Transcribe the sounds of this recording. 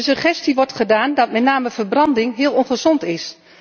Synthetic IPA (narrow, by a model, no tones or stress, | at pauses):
səχɛstiʋɔɹtχədaːndɑtmɛtnaːməv̥ərbrɑndɪŋɦɪəlˠɔnχəzɔntɪs